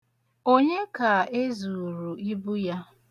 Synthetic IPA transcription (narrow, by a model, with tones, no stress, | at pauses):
o˦ɲe˦ka˨e˦zu˨ɾu˨i˦bu˦ja˦